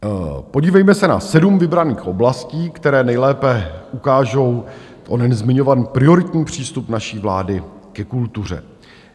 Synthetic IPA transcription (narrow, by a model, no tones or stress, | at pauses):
po̞ɟiːvɛjmɛsɛna̰sɛdumvɪbɾaniːxʔo̞blasciːkt̪ɛɾɛːnɛjlɛːpɛʔukaːʒo̞w | onɛnzmɪɲo̞vanpɾɪo̞ɾɪt̪ɲiːpr̝̥iːst̪upnaʃiːvla̰ːdɪ | kɛkult̪ur̝ɛ̰